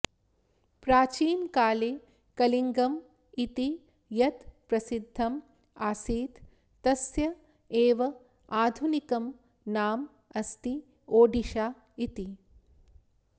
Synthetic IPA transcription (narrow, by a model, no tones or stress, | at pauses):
pɾaːt͡ʃiːnkaːleː | kɐliŋɡɐm | it̪i | jɐt̪pɾɐsid̪ʱːɐm | aːsiːt̪ː | ɐsjɐ | eːʋɐ | aːd̪ʱunikɐm | naːm | ɐst̪i | oːɖiʃaː | it̪i